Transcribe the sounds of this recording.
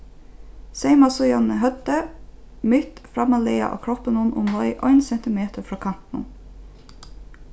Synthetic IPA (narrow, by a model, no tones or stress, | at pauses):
seɪmɑsʊjɑnəɦœd̪ə | mʏt̪fɾɑmɑleːɑ̰ʔo̰ːkʰɹɔpənʊnʔʊ̰mhɔʏʔɔɪnsɛnt̪ɪmeːt̪əɾfɹɑːkʰɑmt̪nn̩